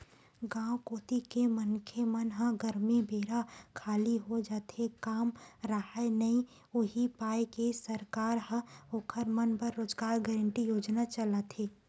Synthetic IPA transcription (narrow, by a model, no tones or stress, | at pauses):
ɡãːwkoːt̪ikemənkʰemənɦə̃ɡəɾmibeːɾakʰaːliɦod͡ʒaːt̪ʰekaːmɾəɦaenɐĩ | ʊɦipaːekesəɾkaːɾɦə̃oːkʰəɾmənpəɾːoːd͡ʒɡaːɾɡɛːɾə̃ɳʈijoːd͡ʒnat͡ʃəlat̪ɦeː